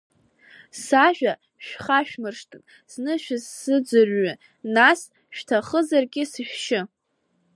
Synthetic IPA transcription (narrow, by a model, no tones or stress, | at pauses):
saʒᶣa | ʃᶣχaʃᶣmɨrʂtʰɨn | snɨʃᶣɪzsɨd͡zɨrɥʏ | nas | ʃᶣtʰaχəzarɡʲɪsiħᶣʃɪ